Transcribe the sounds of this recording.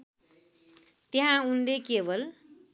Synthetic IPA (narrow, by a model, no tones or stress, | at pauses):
t̪eɦãund̪ekebʌl